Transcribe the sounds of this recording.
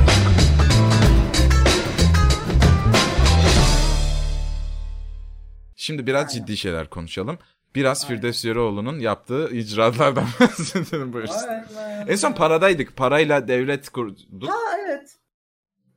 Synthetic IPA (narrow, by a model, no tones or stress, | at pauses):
ʃimd̪ibiɾazd͡ʒid̪ːiːʃe̞jlʲæ̰ɾkʰo̞nuʃalˠɯm | b̥iɾazfiɾd̪ɛfsjøɾɛo̞lˠununjap̚t̪ʰɯːid͡ʒɾat̪lˠaɾd̪ansed̪elʲimbujuɾsunɛnso̞npʰaɾad̪ajd̪ɯkpʰaɾajlˠad̪ɛvlʲɛt̪kʰuɾud̪uɛt̪